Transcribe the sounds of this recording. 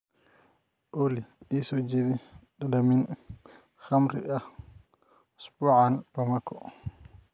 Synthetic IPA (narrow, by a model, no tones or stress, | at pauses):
ʔoliisɔd͡ʒidiɗadamin | xamɾḭʔa | spɔʕanpamakːɔ̰